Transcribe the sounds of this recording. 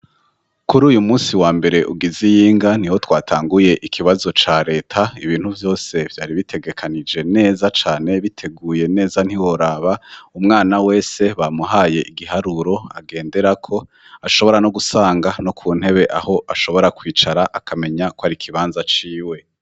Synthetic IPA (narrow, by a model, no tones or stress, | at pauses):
kuɾuːjumuːsiwaːmbe̞ɾe̞ʔuɡizijiːŋɡan̥iho̞twaːtʰaːŋɡuje̞ʔikʰiβazo̞t͡ʃaːɾe̞ːtʰaiβiːn̥huvjo̞ːse̞vjaːɾiβitʰe̞ɡe̞kʰanid͡ʒe̞ne̞ːzat͡ʃaːne̞βitʰe̞ɡuːje̞ne̞ːzan̥iwo̞ɾaːβaumŋaːnawe̞ːse̞βamuɦaːje̞ʔiɡiɦaɾuɾo̞a̰ɡe̞ːnde̞ɾakʰo̞ | aʃo̞βo̞ɾano̞ɡusaːŋɡano̞kʰuːn̥he̞βe̞ʔaho̞ʔaʃo̞βo̞ɾakwiːt͡ʃaɾaʔakʰame̞ɲakwoaɾikʰiβaːnzat͡ʃiːwe̞